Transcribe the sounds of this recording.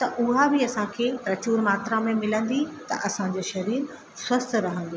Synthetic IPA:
t̪ɐʔʊɦabɪɐsãkʰeːpɾɐt͡ɕuːɾmaːt̪ɾamẽmɪlə̃nd̪it̪ɐ̰ʔɐsãd͡ʑoʃɐɾiːɾ | swɐst̪ʰɾɐɦə̃nd̪i

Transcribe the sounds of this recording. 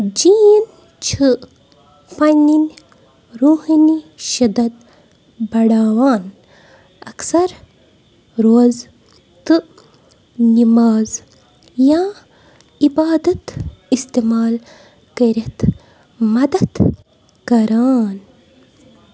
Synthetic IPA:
d͡ʒin | t͡ʃʰɨ | fanin | ɾuhiniʃɐd̪ɐd̪̚ | bɐɽaːwaːn | ɐksɐɾ | ɾoːz | t̪ɨ | nimaːz | jãː | ibaːd̪ɐt̪ist̪emaːl | kɐɾet̪ | mɐd̪ɐd̪ | kɐɾaːn

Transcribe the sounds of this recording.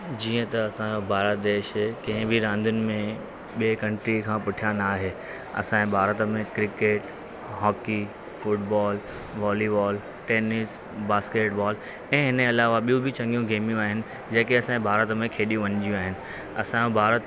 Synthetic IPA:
d͡ʑiːə̃t̪ɐɐsãd͡ʑobʱaːɾət̪d̪eːʃkɐ̃ɦɪ̃bʱɪɾãːnd̪ʱʊnɪ̆mẽ | ɓeːkɐ̃ɳʈɾikʰãːpʊʈʰijanaːɦeː | ɐ̰sãːbʱaːɾət̪əmẽkɾɪkeːʈ | ɦɔːki | fʊʈ̚bɔːl | ʋɔːliʋɔːl | ʈeːnɪs | baːskeːʈbɔːl | ɛ̃ːɦɪnəɐlaːʋaɓijũbʱɪt͡ɕɐ̃ŋɡijũɡeːmijũaːɦɪnɪ̆ | d͡ʑɐːkiɐsãːẽbʱaːɾət̪əmẽkʰeːɗijũʋɐ̃ɲd͡ʑijũaːɦɪnɪ̆ | ɐsãobʱaːɾət̪

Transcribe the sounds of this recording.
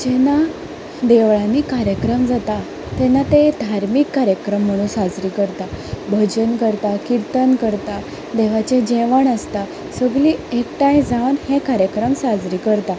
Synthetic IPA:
d͡ʑɛna | d̪eʋɭanikaɾjəkɾəmd͡zat̪a | t̪ɛnat̪ed̪ʱaɾmikːaɾjəkɾəmːəɽ̃uːnsad͡zɾiːkəɾt̪abʱəd͡ʑənkəɾt̪akiɾt̪ənkəɾt̪a | d̪eʋ̤at͡ɕed͡ʑɛʋəɳəst̪a | səɡliːekʈajd͡zaʋənhẽkaɾjəkɾəmsad͡zɾiːkəɾt̪a

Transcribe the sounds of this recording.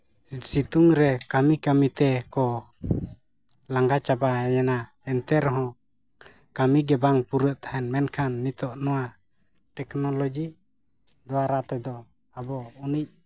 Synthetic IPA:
sit̪uŋɾɛkamikamit̪ɛkɔ | laŋɡat͡ʃabajɛna | ɛnt̪ɛɾɦɔ̃ | kamiɡɛbaŋpuɾəʔt̪ahɛnmɛnkʰanːit̪ɔʔnɔwa | ʈɛknɔlɔd͡ʒi | d̪ɔwaɾat̪ɛd̪ɔ | abɔunic̚

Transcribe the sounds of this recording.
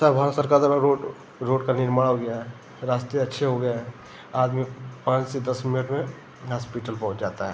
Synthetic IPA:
sabʱaːəsəɾkaɾd̪əɾaɾoː | ɾoːɖkanɪɾmaːɽɦoɡəjaɦɛ | ɾaːst̪eɐtːʃʰeɦoɡəjaɦɛ | aːd̪mipãːt͡ʃsed̪ɐsmɪnəʈmẽ | ɦaːspɪʈəlpɐɦʊt͡ʃd͡ʒaːt̪aɦɛː

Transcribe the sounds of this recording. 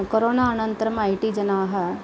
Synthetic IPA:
koɾonaənənt̪ɾəmajʈid͡ʒɐnaːɦɐ

